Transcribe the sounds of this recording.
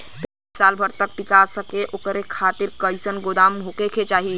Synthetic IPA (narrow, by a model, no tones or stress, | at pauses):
p̪e | salbʰʱəɾt̪ək̚ʈikasəkeʔokɾekʰat̪iɾkəjsənɡod̪amɦokekʰet͡ʃaːɦi